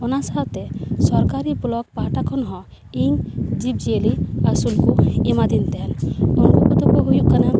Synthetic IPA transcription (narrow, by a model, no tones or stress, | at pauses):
ɔnasaɦt̪ɛsɔɾkaɾibɔlɔk̚paʈakʰɔnɦɔ̃ | iŋd͡ʒib̚d͡ʒieliasulkuɛmad̪int̪ɛnunkɔpɔt̪ɔkɔɦujukːana